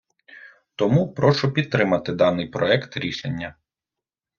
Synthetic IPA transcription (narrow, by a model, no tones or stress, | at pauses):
t̪ɔmupɾɔʃʊpʲid̪̚t̪ːɾɪmɐt̪ɪd̪ɑnɪjpɾɔɛkt̪ɾʲiʃenʲːɐ